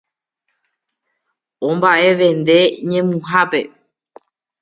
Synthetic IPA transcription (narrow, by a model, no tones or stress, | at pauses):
õmbaʔe̞ʋẽ̞nd̪e̞ɲẽ̞mũɦape̞